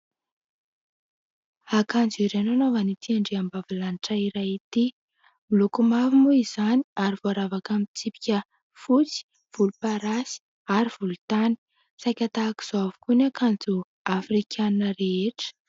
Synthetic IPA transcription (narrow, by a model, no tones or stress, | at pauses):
akand͡ziɾenanovanit̪ʰiaɳɖ͡ʐiambavilaniʈ͡ʂaiɾajit̪i | milukumavimuiz̥aniaɾivoaɾavakamit͡sipi̥kʲə | fut͡si̥ | v̥ulupaɾasi̥ | aɾiv̥ulut̪ani̥ | sajkʲat̪aːki̥z̥oavukunakand͡zu | afrikʰʲanəɾeeʈ͡ʂə̥